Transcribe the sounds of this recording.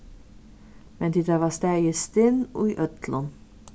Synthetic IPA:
mɛnd̪iːd̪ɾɛʋɑsd̪æist̪ɪno̰iʔœt̪ʰlən

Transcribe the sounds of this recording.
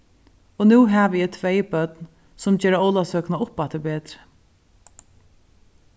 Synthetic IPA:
ɔnʉːɦɛːʋɪjɛt̪ʰvɛːjbœt̪n | sʊmd͡ʒeːɾaowlasœːknaʊpːat̪ʰɪbɛːt̪ɾɪ̥

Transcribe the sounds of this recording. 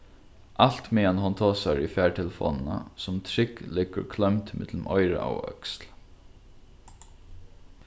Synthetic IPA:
ʔalt̪meːanhʊnt̪ʰoːsaɹifɛːɹʈʰɛləfo̰ːnnə̰sʊmt̪ʰɾɪklɪkəɹkʰlœmt̪mɪt̪lmʔɔɪɾə̰ʔa̰wœ̰ksl

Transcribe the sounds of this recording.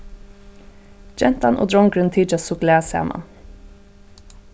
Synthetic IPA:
d͡ʒɛnt̪ɑnʔo̰ːd̪ɹɔŋɡɾʉnt̪ʰiːd͡ʒɑsʊkleːsæ̰ːmʔɑ̰n

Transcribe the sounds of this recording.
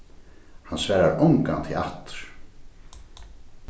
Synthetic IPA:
hansvɛːɾaɾʊŋkant̪ʰɪla̰ht̪ɾ̥

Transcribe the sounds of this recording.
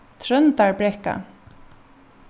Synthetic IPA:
t̪ʰɾœnt̪aɹbɾɛhka̰

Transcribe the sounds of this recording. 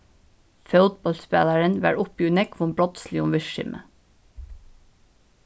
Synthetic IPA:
fœʊt̪̚bɑlspæ̰ːlæɹənʋæ̰ːɹʊpiʉnɛkʋɔmbɹɔt̪sliʊmʋɪʃɪ̰mʔə̰

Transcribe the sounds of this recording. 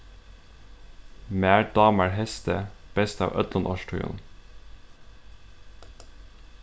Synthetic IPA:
mæːd̪ɑːmæɹhɛst̪əb̥ɛst̪ɑ̰ːʋʔœt̪lɑnʔɔʃʈʰʉʏə̰n

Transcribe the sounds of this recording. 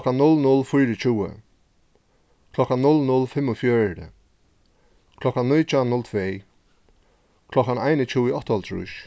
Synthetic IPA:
kanːʊlnʊlfʊjɾɪt͡ɕuːə̰ | kʰlɔkanːʊlnʊlfɪmːʊfjɔːɾə̰ | kʰlɔkanːʊjt͡ʃanʊlt̪ʰveː | kʰlɔkanajnɪt͡ʃuwɪɔht̪ɔlt̪ʰɾṵʃ

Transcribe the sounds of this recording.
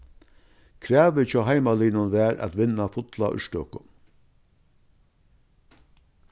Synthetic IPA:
kʰɾæːʋɪt͡ʃʰɔːɦajmaliːnʊnʋæːɾʔæ̰t̪ʋɪnafʊt̪la̰ʔʏ̰ʂtɔ̰ːkʊ

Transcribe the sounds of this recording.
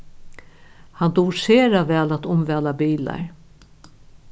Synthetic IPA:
hant̪uːɾseːɾavɛːlat̪ʊmvɛːlabiːla̰ɹ

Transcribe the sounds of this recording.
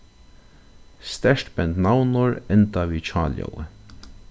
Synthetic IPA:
st̪ɛʂʈbɛnt̪nawnʊɹɛnt̪aʋiːt͡ʃʰɑːljɔ̰wə̰

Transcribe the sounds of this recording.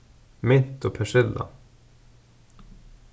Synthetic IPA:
mɪt̪ɔpʰæʂɪlːa̰

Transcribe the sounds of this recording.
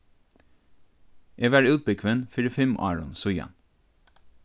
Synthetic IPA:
ʔeːʋæːɹʉːt̪̚bəkʰʋɛnfɪɾəfɛmʔɑ̰ːɹʊ̰nsʊjɑ̰n

